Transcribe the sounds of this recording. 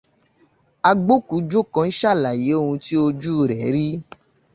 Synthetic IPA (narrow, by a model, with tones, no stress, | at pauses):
a˧ɡ͡bo˦ku˨˦d͡ʒo˦kã˧n̩˦ʃa˦˨la˨je˨˦o˦ũ˧ti˦o˧d͡ʒu˦˨ɾɛ˨˦ɾi˦